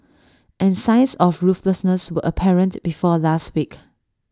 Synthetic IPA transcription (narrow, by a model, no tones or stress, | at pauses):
ʔɛ̃nsãɪsɔfɹufləsnəswəʔəpʰɛɹə̃ntb̥ifɔlastwik